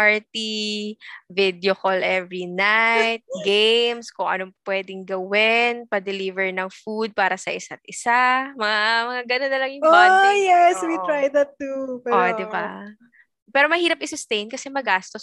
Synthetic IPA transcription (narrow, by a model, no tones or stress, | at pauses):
paɹt̪i | vɪd̪jokolʔɛvɹinajt̪̚ɡejmskoŋʔɐ̰nopwɛd̪ɪŋɡɐwɪnpɐd̪ɛliːvɛɹnɐŋfud̪̚paːɾɐsɐʔɪsat̪̚ʔɪsamɐŋamɐŋaɡɐnonɐlɐŋjʊpajɛswit̪ɹajd̪ɐt̪ːupɛod̪ɪba | pɛːɾo̞mɐhiːɾɐp̚ɪsʊst̪ejnkɐsɛmɐɡaːst̪os